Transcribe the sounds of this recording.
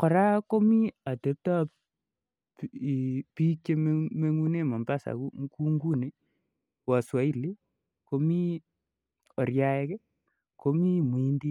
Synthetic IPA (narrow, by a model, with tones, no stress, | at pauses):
kɔ˨ɾa˦ko˦mi˦a˨te˨˦p̚ta˦˨ | pi˦t͡ʃe˦m˦me˦ŋu˦ne˦mɔ˨mba˦sa̰˨ku˦ŋ˦ku˦ŋɡu˦ne˨ | wa˨swa˨˦i˦le˦ | ko˦mi˦ | o˨rja˦ɛ˦kɛ˦ | ko˦mi˦˨mi˦ndi˦